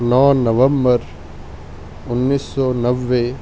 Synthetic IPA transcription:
nãːnɐʋɐmbəɾ | ʊnːiːsːɔːnɐʋːe

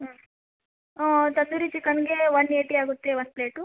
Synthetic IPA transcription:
oːt̪ɐsuɾit͡ʃikɐnɡeːʋɐneːʈiːaːɡut̪ːeːʋɐnpleːʈu

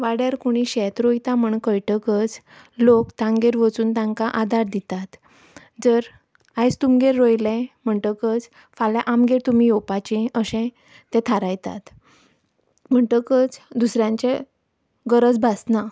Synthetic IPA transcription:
ʋaɽjaɾkoɽ̃iɕɛt̪ɾojt̪am̤əɳkəjʈəkət͡s | lokt̪ãŋɡeɾʋət͡suːnt̪ãŋkaʔad̪aɾd̪it̪at̪ | d͡zəɾ | ajt͡st̪umɡeɾːojlɛ̃m̤əɳʈəkət͡s | falãʔamɡeɾt̪umijopat͡ɕĩəɕɛ̃ | t̪ɛ̃t̪ʰaɾajt̪a̰t̪ | m̤əɳʈəkət͡sd̪usɾjãɲt͡ɕe | ɡəɾət͡sbʱasna

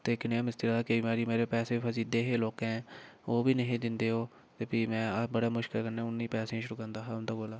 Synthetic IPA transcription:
t̪eːkɪnamɪst̪ɪɾaːkeimeːɾiːmeːɾeːpɛːseːpʰəsiːd̪eːɦeːloːkɦɛ̃ːoːbʱiːnəɦĩːd̪ɪnd̪eːɦoː | t̪epʰiːmɛ̃ːbəɽaːmʊʃkɪlkəɾneːʊnːĩːpɛːsẽːĩʃʊɾuːkəɾnd̪aːɦaːʊnd̪aːɡoːlaː

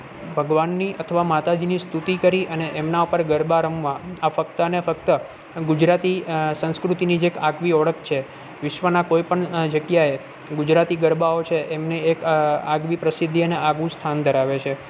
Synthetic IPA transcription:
bʱəɡʋanːiʔət̪ʰəʋamat̪ad͡ʒinist̪ut̪ikəɾiʔəneʔemnaupəɾɡəɾbaɾəmʋãafək̚t̪əənefək̚t̪ə | ɡud͡ʒɾat̪isə̃nskɾut̪inid͡ʒekaɡʋiɔɭək̚ʰt͡ʃʰe | ʋɪʃʋənakojpəɳd͡ʒəɡjae | ɡud͡ʒɾat̪iɡəɾbaot͡ʃʰeʔemneekaɡʋipɾəsɪd̪ʱːiəneaɡũst̪ʰand̪ʱəɾaʋet͡ʃʰe

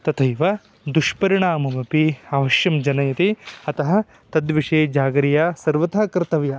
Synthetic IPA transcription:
t̪ɐt̪ʰɐjʋɐ | d̪uʂpɐɾiɳaːmɐmɐpiaʋɐʃjɐmd͡ʒɐnɐjɐt̪iɐt̪ɐɦɐ̆ | t̪ɐd̪ʋiʂeːd͡ʒaːɡɐɾijaːsɐɾʋɐt̪ʰaːkɾt̪ɐʋja

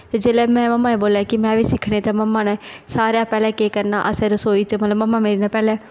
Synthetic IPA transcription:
t̪ed͡ʒeːlɛːmɛ̃ːməmːaːẽːboːlaːkɪmɛ̃ːʋiːsɪkʰɽ̃ẽːt̪eːməmːãːnẽːsaːɾejaːpɛːlɛ̃ːkeːkəɾnaːʔəsɛ̃ːɾəsoːiːt͡ʃəmət̪ləbməmːãːmeːɾiːnapɛːlɛ̃ː

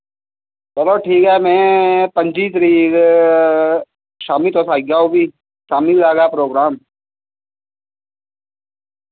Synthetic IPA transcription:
bɐloːʈʰiːkɦɛːmɛ̃ːpə̃ɲd͡ʒiːt̪ɾiːɾ | ʃaːmit̪oːsaːiɡaːɦobʱiː | ʃaːmɪlɡaːɡapɾoːɡɾaːm

